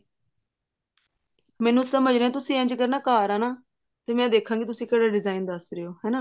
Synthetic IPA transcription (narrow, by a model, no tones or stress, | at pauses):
mɛ̃ːnũːsəməd͡ʒɾeːɛ̃ːt̪̬ʊsĩːɛ̃ɲd͡ʒkəɾnaːkaːɾaːnaː | t̪eːmɛ̃ːd̪eːkʰãːɡit̪ʊsĩːkɛːɽaːɖɪzaːind̪əsɾeoːɦɛːnaː